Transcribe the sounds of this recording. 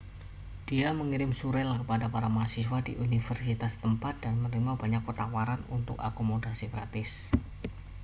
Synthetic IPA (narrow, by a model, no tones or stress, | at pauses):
d̥iaməŋiɾɪmsuɾɛlkəpadapaɾamasiswadḭʔunifərsit̪ast̪əmpat̪̚d̥anmərimabaɲak̚pət̪awaɾanunt̪ʊka̰komodasiɡɾat̪ɪs